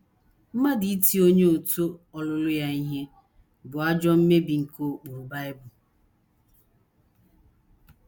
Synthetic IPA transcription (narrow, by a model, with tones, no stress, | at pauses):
m̩˦ma˦di˨i˦ti˦o˦ɲe˦o˨to˦ɔ˨lʊ˦lʊ˦ja˦i˦ɦe˦ | bʊ˨a˦d͡ʒɔ˦m̩˦me˦bi˨ŋ̩˨ko˦k͡pu˨ɾba˦ɪ˦bʊ˨